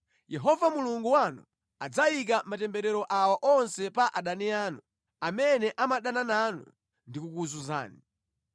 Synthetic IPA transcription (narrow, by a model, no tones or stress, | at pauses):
jɛɦɔvamuluŋɡuwanṵ | ad͡zaik̬amatɛmbɛɾɛɾɔʔawaʔɔnsɛpaʔaɗanɛaːnu | amɛnɛʔamaɗanananṵ | ndikukuzuza̰ːni